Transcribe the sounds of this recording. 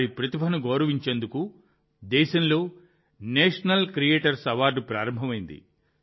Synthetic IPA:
aɾipɾɐt̪ibʱɐnuɡoːɾɐʋiɲt͡ʃeːnd̪uku | d̪ɛːʃɐnlo̞ː | neːʂɐnɐlkɾijeːʈɐɾsɐʋaːɾɖpɾaːɾɐmbʱɐmɐjind̪ḭ

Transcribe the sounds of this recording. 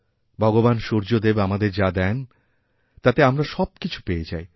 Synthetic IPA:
bʱɔɡobanʃoɾd͡ʑod̪ebamad̪eɾd͡ʑad̪ɛn | t̪at̪eamɾaʃɔb̚kit͡ɕʰu̥peet͡ɕa̰j

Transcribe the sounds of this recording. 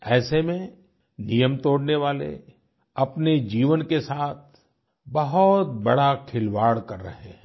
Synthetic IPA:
ɛːsemẽ | nijəmt̪oːɽneʋaːlḛ | ɐpned͡ʒiːʋənkesaːt̪̚ʰ | bɐɦʊt̪̚bɐɽakʰɪlʋaːɽkɐɾːɐ̰ɦeɦɛ̃

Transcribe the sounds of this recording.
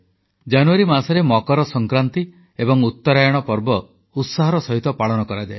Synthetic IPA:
d͡ʒanuaɾimasɔɾemɔkɔɾɔsɔŋkɾant̪i | ebɔŋut̪ːɔɾajɔɽ̃ɔpɔɾbɔ | ut̪saɦɔɾɔsɔɦit̪ɔpaɭɔnɔkɔɾad͡ʒae

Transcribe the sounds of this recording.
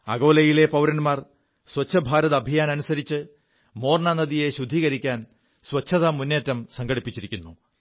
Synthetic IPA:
ɐɣo̞ːlɐjile̞pɐwɾɐnmaːr | swɐt͡ɕʰːɐbʱaːɾɐðɐbʱijaːnɐnusɐɾit͡ɕːɨ | mo̞ːrɳanɐðije̞ɕud̪ʱːiːɣɐɾikʲːaːn | swɐt͡ɕʰɐðɐmunːeːtːɐmsɐŋɡɐɽipːit͡ɕːiɾikʲːunːu

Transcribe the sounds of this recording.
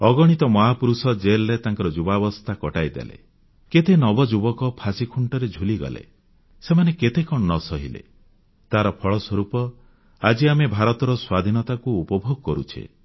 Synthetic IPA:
ɔɡɔɽ̃it̪ɔmɔɦapuɾusɔd͡ʒelɔɾet̪aŋkɔɾɔd͡ʒubabɔst̪ʰakɔʈajd̪ḛlḛ | ket̪enɔbɔd͡ʒubɔkɔpʰasikʰuɳʈɔɾed͡ʒʱuliɡɔ̰lḛ | semaneket̪ekɔnɔsɔɦilḛ | t̪aɾɔpʰɔɭɔswɔɾupɔ | ad͡ʒiamebʱaɾɔt̪ɔɾɔswad̪ʱinɔt̪akuːpɔbʱoɡɔkɔɾṵt͡ʃʰḭ

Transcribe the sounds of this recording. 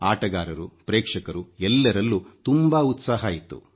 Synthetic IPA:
aːʈɐɡaːɾɐɾupɾɛːkʂɐkɐɾuɛlːɐɾɐlːut̪umbaːut̪saːɦɐːjit̪ːṵ

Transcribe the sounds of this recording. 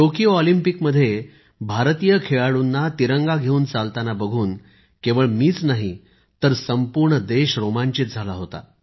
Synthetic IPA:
ʈokijoɔlimpikməd̪ʱːje | bʱaɾt̪ijəkʰeɭaɽunːat̪iɾəŋɡaɡʱeuːnt͡salt̪anabəɡʱuːn | kẽʋəɭmiːt͡snaɦi | t̪əɾsəmpuɾɳəd̪eɕɾomaɲt͡ɕiːt̪̚d͡zʱalaɦot̪a̰

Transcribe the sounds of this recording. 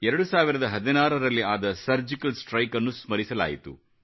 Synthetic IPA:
ɛɾɐɽusaːʋiɾɐd̪ɐɦɐd̪inaːɾɐɾɐlːiaːd̪ɐsɐɾd͡ʒikɐlsʈɾɐjkɐnːusmɐɾisɐla̰ːjit̪ṵ

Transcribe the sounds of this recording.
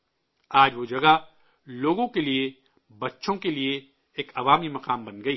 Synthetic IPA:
aːd͡ʒʋod͡ʒɐɡa | loːɡõkelie | bɐtːʃõkelieː | kɐʋaːmimɐqaːmbɐnɡɐiː

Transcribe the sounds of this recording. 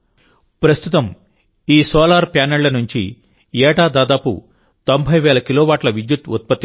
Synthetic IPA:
pɾɐst̪ʰut̪ɐm | iːsoːlaːɾpjaːnɐɭlɐnuɲt͡ʃḭ | ɛːʈaːd̪aːd̪aːpṵ | t̪o̞mbʱɐjʋɛːlɐkiloːʋaːʈlɐʋid̪jut̪ut̪̚pɐt̪ːi

